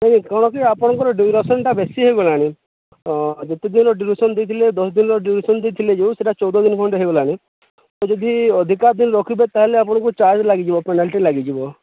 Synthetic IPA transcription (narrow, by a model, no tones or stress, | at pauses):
naɦĩkɔɽ̃ɔkiapɔɽ̃ɔ̃ŋkɔɾɔɖiɾɔsɔnʈabesiɦeɡɔlaːɽ̃i | d͡ʒet̪ed̪inɔɾɔɖiɾisɔnd̪ejt̪ʰiled̪ɔsd̪inɔɾɔɖiɾisɔnd̪et̪ʰiled͡ʒewseʈat͡ʃɔwd̪ɔd̪inɔkʰɔɳʈeɦeɡɔlaːɽ̃i | t̪ɔd͡ʒɔd̪ʱiɔd̪ʱikaɾd̪inɔɾɔkʰibet̪aɦeleapɔɽ̃ɔ̃ŋkut͡ʃaɾd͡ʒlaɡid͡ʒibɔpenalʈilaɡid͡ʒibɔ